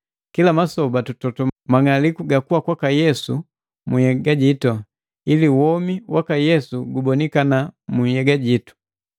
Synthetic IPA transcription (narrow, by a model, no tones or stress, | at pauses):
kilamasɔbatutɔtɔmaŋalikuɡakuwakwakajɛsu | muhɛɡaɟitɔ | iliwɔmiwakajɛsuɡubɔnikanamuhɛɡaɟitu̥